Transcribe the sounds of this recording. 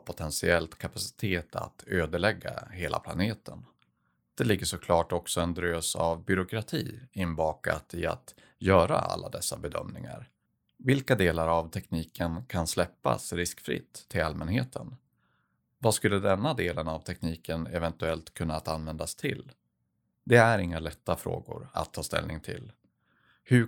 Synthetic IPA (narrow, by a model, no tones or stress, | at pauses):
pʰʊt̪ʰɛnsɪɛlt̪kʰapasɪ̥t̪ʰeːt̪ʰa̰t̪ʰøːd̪əɭɛɡːa̰heːlʔa̰pʰla̰neːt̪ʰən | d̪̥ɛlɪɡːəʂɔkʰlɑːʈɔksɔɛnd̪ɾøːsa̰vbʏɾʊkɾat̪ʰiːɪnːbɑːka̰t̪ɪa̰t̪ | jœːɾa̰a̰lːad̪ɛsːabɛd̪œ̰mnɪŋa̰ɾ | vɪlkad̪eːlaɾavt̪ʰɛkniːkənkʰanslɛpːa̰sɾɪskfɾɪ̰t̪ʰːɪlalmɛnheːt̪ʰən | vɑːskɵlːəd̪ɛnːad̪eːlənavt̪ʰɛkniːkənɛvɛnt̪ɵɛlt̪kʰɵnːat̪anvɛnd̪ast̪ʰɪl | d̪ɛæɾɪŋːalɛt̪ːafɾo̰ːɡʊ̰ɾa̰t̪ʰːɑːst̪ɛ̰lnɪŋt̪ʰɪ̰l | hɵ